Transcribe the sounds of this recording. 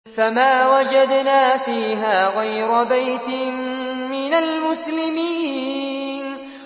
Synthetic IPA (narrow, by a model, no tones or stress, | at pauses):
famaːwad͡ʒad̪naːfiːɦaːɣajɾʊbajt̪ɪmːɪnalmʊslɪmiː | n